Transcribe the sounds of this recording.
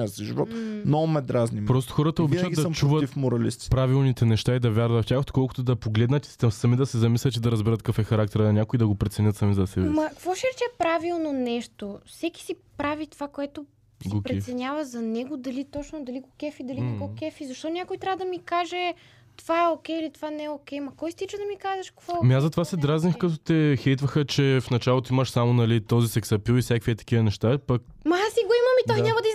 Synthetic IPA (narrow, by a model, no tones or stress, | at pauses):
sɛʒivɔt̪mnomɛd̪ɾaznipɾɔst̪o̥xɔɾɐt̪ɐovɛt͡ʃadɡismt͡ʃuvət̪ifmoɾɐlḭst̪i̥pɾavilˠnit̪ɛnɛʃt̪aid̪ɐvʲjaɾvɐt̪ftʲaxot̪kɔlˠko̥t̪od̪ɐpoɡlɛd̪nɐt̪i̥ɐsɐmid̪ɐsɛzɐmislʲət̪id̪ɐɾɐzbɛɾɐt̪̚kafɛxɐɾak̚t̪ɛɾɐnʲakoid̪ɐɡopɾɛt̪sɛnʲət̪sɐmizɐsɛbɛmɐkvɔʃiɾɛt͡ʃɛpɾavilˠnonɛʃt̪ofsɛki̥sipɾavit̪ovakoɛt̪o | sipɾɾɛsɛnʲavɐzɐnɛɡod̪ɐlit̪ɔt͡ʃnod̪ɐliɡokʲɛfid̪ɐlikɐkɔkʲɛfizɐʃt̪ɔnʲakojt̪ɾʲavəd̪ɐmikaʒɛ | t̪ovaɛokʲɛilit̪ovanɛokʲɛjmɐkɔjist̪it͡ʃəd̪ɐmikazɛʃkvɔmazɐt̪ovasɛd̪ɾaznixkɐt̪ot̪ɛxɛjt̪vəxət͡ʃɛfnɐt͡ʃalˠot̪oiməʃsamonɐlit̪ɔzisɛksɐpilifsʲjakviɛt̪ɐ̥kʲivənɛʃt̪apɐk̚mɐasiɡoimɐmitd̪oknʲamɐd̪ɐi